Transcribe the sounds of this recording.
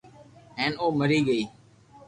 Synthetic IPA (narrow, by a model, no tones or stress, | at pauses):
ɦeːnoːməɾiːɠəiː